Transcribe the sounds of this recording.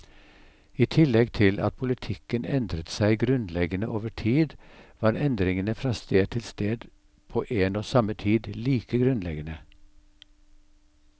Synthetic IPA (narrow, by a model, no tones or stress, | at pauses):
iːt̪ʰɪlɛɡt̪ʰɪlɑ̰t̪̚pʰʊlɪt̪ʰɪkənɛnd̪ɾət̪sæɪɡɾʉnlɛɡənəʔoːʋəʈʰiːd̪ʋɑːɾɛnd̪ɾɪŋənəfɾɑːst̪eːd̪̚t̪ʰɪlst̪eːd̪ | pʰoːʔeːnoːsɑmət̪ʰiːd̪liːkəɡɾʉnlɛɡənə